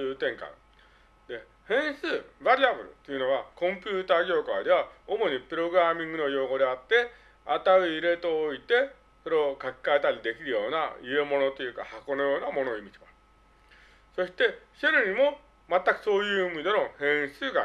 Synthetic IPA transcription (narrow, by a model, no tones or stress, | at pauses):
ɯːt̪ẽ̞ŋkã̰ | d̪e̞ | hẽ̞ɰ̃sɨːβaɾʲiabɯ̟ɾɯ̟̰t̪ːojɯ̟no̞βakõ̞mpʲjɯːt̪aːɡʲo̞ːkaːd̪e̞βaomo̞ɲ̟ipɯ̟ɾo̞ɡɯɾamʲĩŋɡɯ̟no̞jo̞ːɡo̞d̪e̞at̪ːe̞ | at̪aɯ̟iɾe̞t̪o̞ːit̪e̞ | soɾekaki̥kːaet̪aɾʲid̪e̞kʲiɾɯ̟jo̞̰ːna̰ie̞mo̞no̞t̪o̞jɯ̟ːka̰hako̞no̞jo̞ːnamo̞noimʲid͡ʑiba | so̞ɕi̥t̪e̞ɕeɾɯ̟ɲ̟imo̞ | mat̪ːakɯ̟̥so̞ːjɯ̟ːimʲid̪e̞no̞hẽ̞ɰ̃sɨːɡa̰